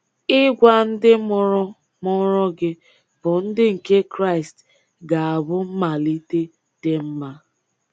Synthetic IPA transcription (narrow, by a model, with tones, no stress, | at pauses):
ɪ˦ɡʷa˦n̩˦dɪ˦mʊ˦ɾɔ˦ | mɔ˦ɾɔ˦ɡɪ˦ | b̥ʊ˨n̩˦dɪ˦ŋ̩˨ke˦kɾa˦ɪ˨st | ɡa˨a˨bʊ˦m̩˦ma˨li˦te˦ | te˦m̩˦ma˦